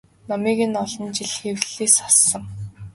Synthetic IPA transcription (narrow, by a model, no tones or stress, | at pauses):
nɔmiːɣɘ̆nɔɮɞ̆nt͡ɕiɮxewɮeːsɔ̥sːə̆ŋ